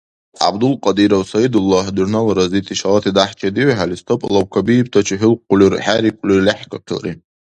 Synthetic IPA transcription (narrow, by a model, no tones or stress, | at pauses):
a̰bd̪ulqʼadiɾawsajid̪ulːaħdurnalɾazitʰiʃalatʰidaħt͡ʃʼadiʕħalist̪ʰopʼlawkʰʷabijpʰtʰat͡ʃʰɪħʏlqʷːʊlʲyrħaɾikʷʼlyrlʲaħkʰʼaqʰʲɪla̰rḭ